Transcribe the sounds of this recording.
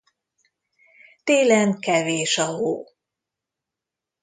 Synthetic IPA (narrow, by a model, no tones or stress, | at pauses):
t̪eːlɛnkɛveːʃɒɦo̰ː